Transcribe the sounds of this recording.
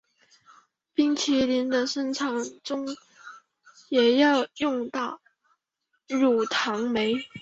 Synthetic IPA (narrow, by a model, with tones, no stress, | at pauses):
pi˥˩ŋt͡ɕʰjɛ˨˩li˧˥nd̪ə˧ʂə˥nʈ͡ʂʰɑ˨˩ŋʈ͡ʂʊ˥ŋ | jɛ˨˩jɑ˥˧ʊjʊ˥˧ŋt̪ɑ˥˩ʊ | ɻu˨˩t̪ʰɑ˧˥ŋme˧˥ɪ